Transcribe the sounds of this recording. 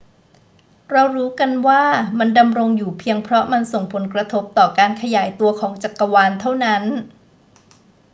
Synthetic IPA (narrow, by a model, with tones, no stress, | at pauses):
ɾa˧wɾuː˦˥ka˧nwaː˥˩ma˧nda˧mɾo˧ŋjuː˨˩pʰi˧əŋpʰɾɔ˦˥ma˧nso˨˩ŋpʰo˩˦nkɾa˧t̪ʰo˦˥p̚t̪ɔː˨˩kaː˧nkʰa˧jaː˩˦jt̪u˧ɐkʰɔː˩˦ŋt͡ɕa˨˩kːa˧waː˧nt̪ʰa˥˩wna˦˥n